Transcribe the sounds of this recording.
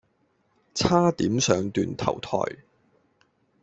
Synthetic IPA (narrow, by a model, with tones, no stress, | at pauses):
t͡sʰaː˥t̪iː˨˥msœː˨˧ŋt̪yː˧nt̪ʰɐ̰˨˩wt̪ʰɔ̰ː˨˩j